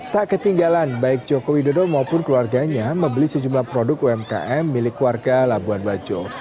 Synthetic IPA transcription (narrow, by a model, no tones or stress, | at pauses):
t̪aʔkət̪iŋɡalanbaɪk̚d͡ʒokowidodɔmaupʊnkəluarɡaɲaməmbəlisəd͡ʒumlahpɾodʊk̚uɛmka̰ʔɛmːilɪkːluarɡalabuanbad͡ʒo